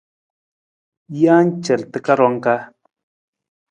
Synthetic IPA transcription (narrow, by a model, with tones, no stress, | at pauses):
ja˦nt͡ʃə˨lt̪ə˦ka˦ɾo˧˦ŋka˦